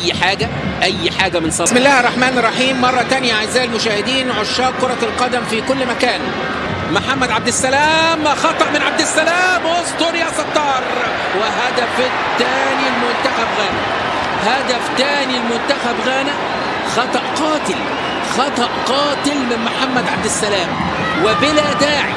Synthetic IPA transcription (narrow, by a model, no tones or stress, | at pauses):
jːħaːɡæ | ʔæjːħaːɡæmɪnsˤɑsmɪlːæːherˤːɑħmæːnɑrˤːɑħiːmːɑrˤːɑt̪ænjaʕaʔzːæːʔlmʊʃæːhɪd̪iːnʕoʃːɑːkoɾˤɑlqɑd̪æmfikʊlːmækæːn | moħamːæd̪ʕab̚d̪ɪsːælæːmxɑt̪ˤɑʔmɪnʕab̚d̪ɪsːælæːmʔost̪oɾjɑsˤɑt̪ˤːɑːɾˤ | wɪɦæd̪æf | t̪ːæːnilmʊnt̪æxæbɣæːnæ | hæd̪æft̪æːnilmʊnt̪æxæbɣæːnæ | xɑt̪ˤɑʔqɑːt̪ɪl | xɑt̪ˤɑʔqɑːt̪ɪlmɪnmʊħamːæd̪ʕab̚d̪ɪsːælæːm | wɪbɪlæd̪aːʕḭ